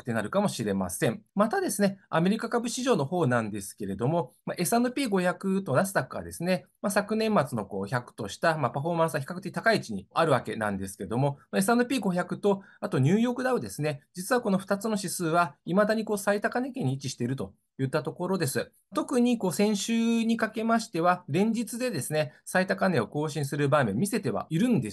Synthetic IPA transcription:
kɯ̥t̪ːenaɾɯ̟kamo̞ɕiɾe̞ma̰sẽ̞mmat̪ad̪e̞sɨne̞a̰me̞ɾʲikakabɯ̟ɕiʑo̞ːno̞ho̞ːnãnd̪e̞sɨ̥ke̞ɾe̞d̪o̞mo̞maʔe̞sand̪opʲiːɡo̞çakɯ̟t̪o̞nasɨ̥t̪akɯa̰d̪e̞̰sɨne̞masakɯ̟nẽ̞mːat͡sɨno̞ko̞̰ːçakɯ̟̥t̪o̞ɕi̥t̪amapaɸo̞ːmãsɨaçʲi̥kakɯ̟t̪ekʲit̪akait͡ɕiɲ̟iaɾɯ̟βake̞nã̰nd̪e̞sɨ̥ke̞ed̪o̞momae̞s̬and̪opʲiːɡo̞çakɯ̟t̪o̞ | at̪o̞ɲ̟ɨːjo̞ːkɯ̟d̪aod̪e̞sɨne̞d͡ʑit͡sɨβako̞no̞ɸɯ̟̥t̪at͡sɨno̞ɕisɨːβaimad̪aɲ̟iko̞ːsait̪akane̞kẽ̞ɲ̟ːiit͡ɕiɕi̥t̪e̞ɾɯ̟t̪o̞ | jɯ̟t̪ːat̪o̞ko̞ɾo̞d̪e̞sɨ | t̪o̞kɯ̟ɲ̟iko̞ːsẽ̞ɰ̃ɕɨːɲ̟ikake̞maɕi̥t̪e̞βaɾẽ̞ɲ̟d͡ʑit͡sɨd̪e̞d̪e̞sɨnesait̪akane̞o̞ko̞ːɕĩɰ̃sɨɾɯ̟baːmẽ̞mʲːise̞t̪e̞β̞a̰ʔiɾɯ̟̃nd̪e

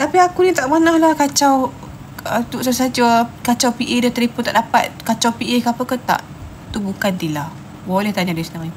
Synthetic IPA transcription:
t̪apiakunit̪aʔmənahlahkat͡ʃaw | ət̪uʔsasad͡ʒakat͡ʃawpiʔedəht̪əɾipuʊt̪a̰ʔdapat̪̚kat͡ʃawpiʔekapəkət̪a̰ʔ | t̪ubukant̪ilah | bolɛht̪aɲadasənaŋi

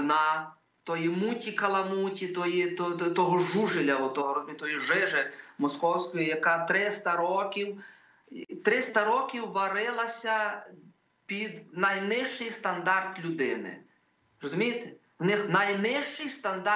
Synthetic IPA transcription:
nɑ | t̪ɔjimutʲikɐlˠɐmutʲit̪ɔjit̪ɔt̪ɔɦɔʒuʒɪlʲɐɔt̪ɔɦɔɾɔzʊmijt̪t̪ɔjiʒɪʒɪmɔskɔwsʲkɔjijɐkɑt̪ɾɪst̪ɐɾɔkʲiw | t̪ɾɪst̪ɐɾɔkʲiwːɐɾɪlˠɐsʲɐ | pʲid̪nɐjnɪʃt͡ʃɪjst̪ɐnd̪ɑrt̪lʲʊd̪ɪnɪ̰ | ɾɔzʊmʲijt̪e̥ | wnɪxnɐjnɪʃt͡ʃɪjst̪ɐnd̪ɑ

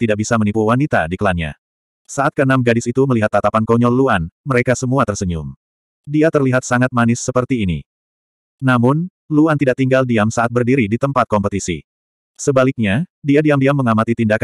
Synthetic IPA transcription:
t̪idaʔk̚bisamənipuwanit̪a̰dikəlanɲa̰ | saʔat̪̚kəənamɡadɪsit̪uməliɦat̪ːat̪apankɔɲɔluanməɾekasəmuat̪ərsəɲʊm | diat̪ərliɦat̪̚saŋat̪̚manɪsːəpərt̪iːnḭ | namʊn | luant̪idaʔ̚t̪iŋɡaldiamsaʔat̪̚bərdiɾidit̪əmpat̪̚kɔmpət̪isḭ | səbalɪk̚ɲadiadiamdiamːəŋamat̪it̪indaka

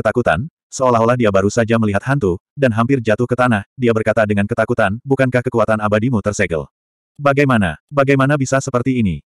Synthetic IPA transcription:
ət̪akut̪a̰n | səolaɦolahdiabaɾusad͡ʒaməliɦat̪hant̪udanɦampɪrd͡ʒat̪ʊhkət̪anahdiabərkat̪adəŋankət̪akut̪anbukankahkəkuat̪anabadimut̪ərsɛɡə̰l | baɡajmana̰baɡajmanabisasəpərt̪iːni

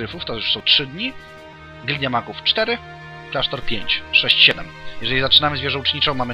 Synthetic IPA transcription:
ɾɘfuft̪ɔɛʂsɔ̃w̃tʂɘd̪ɲi | ɡlʲd̪jamakuft͡ʂt̪ɛɾɘ | klaʂt̪ɔɾpʲjeɲt͡ɕʂɛɕt͡ɕɕɛd̪ɛmjɛʐɛlʲizat͡ʂɘnamɘzvʲjɛʐɔw̃t͡ʂɲit͡ʂɔ̃w̃mamɘ

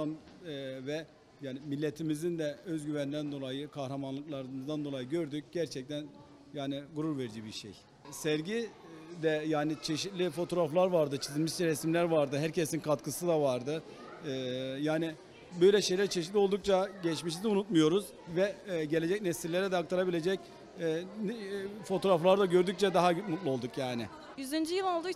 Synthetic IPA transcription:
anvɛ | jaːnɪmilʲːet̪ʰimizind̪ɛøzɟyvænd̪ænd̪o̞lˠajɯkʰahɾamanlˠɯklˠaɾɯmɯzd̪and̪olˠajɯɟø̞ɾd̪yc̚ɟ̥æɾt͡ʃʰɛc̚t̪ʰæn | jaːnɪɡuɾuɾveɾid͡ʒibiɾʃḛj | sɛɾɟi | d̪ɛjaːnit͡ʃʰeʃit̪lʲifo̞t̪ʰo̞ɾaflˠaɾvaɾd̪ɯt͡ʃʰizilʲmiʃt͡ʃɛɾɛsmlʲæɾvaɾd̪ɯɦæɾcʰesinkʰat̪kʰɯsɯd̪avaɾd̪ɯ | jaːnɪ | bøjlʲɛʃe̞jlʲæɾt͡ʃʰe̞ʃ̬it̪lʲio̞lˠd̪uk̚t͡ʃʰaɟɛt͡ʃmiʃ̬izunut̪mujo̞ɾuz̥ | vɛɟe̞lʲe̞d͡ʒɛcnesillːʲe̞ɾɛd̪ɛak̚t̪ʰaɾabilʲe̞d͡ʒɛc̪ː | fo̞t̪ʰo̞ɾaflˠaɾd̪aɟø̞ɾd̪yc̚t͡ʃʰɛd̪aɦayt̪mut̪lˠuo̞lˠd̪ukjaːnɪ | jyzynd͡ʒijilˠolˠd̪u

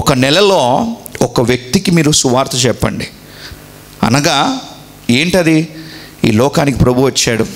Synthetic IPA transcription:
ɔkɐnɛlɐlo̞ːɔkɐʋjɐk̚t̪ikimiːɾusuʋaːɾt̪ʰɐt͡ʃɛpːɐ̰ɳɖi | ɐ̰nɐɡaː | e̞ːɳʈɐd̪i | iːlɔːkaːnikipɾɐbʱuʋɐt͡ʃːaːɽu

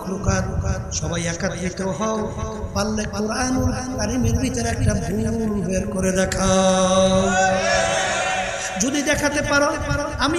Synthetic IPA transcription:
kɾokaɾ | ʃɔbajɛkat̪ɾikowɦɔ | palːekoɾanuɾ | t̪aɾimeɾbit̪aɾɛk̚ʈabʱulbeɾkoɾed̪ɛkʰa | d͡ʒod̪id̪ɛkʰat̪epaɾo | ami

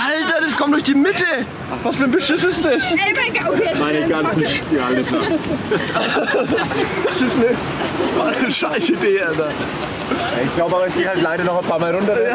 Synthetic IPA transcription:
ʔaltɐdaskʰɔmtd̥ʊɐçd̥iːmɪtə | vasfyːɐnbəʃɪsəsd̥ɛs | maɪnɡaːlɪsʃaləsla̰ | a | d̥asɪstnə | vaəʃaɪsəideːaza | ja̰ɪçɡ̥laʊbəaːbɐɪçɡ̥eːhaltlaɪɾɐnɔχaɪnpʰaːɐmaːlʁʊntɐ

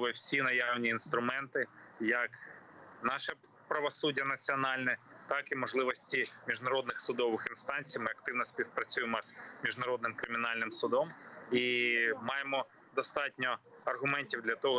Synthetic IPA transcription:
ʋɪwsʲinɐjɑwnʲiːnst̪ɾʊmɛnt̪ɪjɐknɑʃɛ | pɾɐʋɔsudʲːɐnɐt͡sʲiɔnɑlʲnɛt̪ɑkimɔʒlˠɪʋɔsʲtʲimʲiʒnɐɾɔd̪nɪxsʊd̪ɔʋɪxinst̪ɑnʲt͡sʲijmɪɐk̚t̪ɪwnɔsʲpʲiwpɾɐt͡sʲujemɔz̥mʲiʒnɐɾɔd̪nɪmkɾɪmʲɪnɑlʲnɪmsʊd̪ɔmimɑjemɔ | d̪ɔst̪ɑtʲnʲɔɐrɦʊmɛnʲtʲiwd̪lʲɐt̪ɔɦɔ

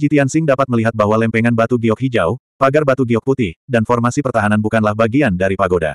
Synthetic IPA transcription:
d͡ʒit̪iansɪŋdapat̪̚məliɦat̪̚baɦwalɛmpɛŋanbat̪uɡiɔk̚ɦid͡ʒaw | paɡarbat̪uɡiɔk̚put̪ihdanfɔrmasipərt̪aɦananbukanlahbaɡiandaɾipaɡoda̰

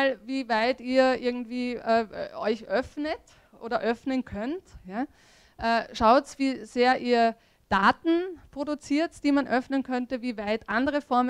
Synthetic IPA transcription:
lviːvaɪtiːɐʔɪɐɡŋ̩tv̥iːʔɛːʔɔʏçʔœfnət | ʔo̰ːɾɐʔœfnənkʰœntjaː | ʔɛːʃaʊtsviːz̥eːɐʔiːɐ | d̥aːtn̩pʁ̥odʊt͡siːɐtd̥iːmanʔœfnənkʰœntəviːvaɪtʔandəʁəfɔɐm

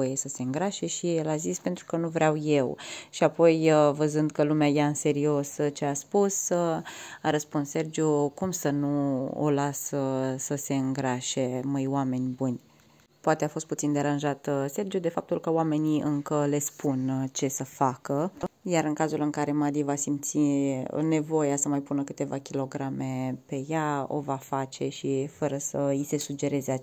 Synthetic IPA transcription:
ojesəse̞ɨŋɡɾaʃe̞ʃielazispe̞nt̪ɾu̥kənuvɾeawje̞wʃiapo̞jvəzɨnd̪̚kəlumeajaɨnse̞ɾio̞st͡ʃe̞aspus | aɾəspunsse̞rd͡ʒukumsənuo̰lasəsəse̞ɨŋɡɾaʃe̞məjwame̞nʲbunʲ | poat̪eafo̞st̪put̪sind̪e̞ɾanʒat̪se̞rd͡ʒijud̪e̞fap̚t̪ulkəoame̞niɨŋkəle̞spunt͡ʃe̞səfakəjaɾɨŋkazulɨŋkaɾe̞mad̪ivasimt̪sine̞vo̞jasəmajpunəkɨt̪e̞vakʲilo̞ɡɾame̞pe̞jao̞̰vafat͡ʃe̞ʃifəɾəsəise̞sud͡ʒe̞ɾe̞zea

